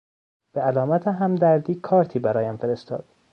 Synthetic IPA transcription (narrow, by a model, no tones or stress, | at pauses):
b̥eælɒːmæt̪ʰeɦæmd̪æɾd̪iːkʰɒːɾt̪ʰiːbæɾɒːjæmfeɾest̪ɒ̰ːd̪̥